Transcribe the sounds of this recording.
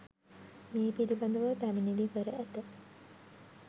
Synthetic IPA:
meːpiɾibɐnd̪əʋət̪æminiliːkəɾəʔæt̪ə

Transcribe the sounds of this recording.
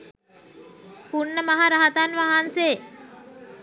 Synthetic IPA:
puɳːəmaɦaɾaɦat̪anʋaɦanse

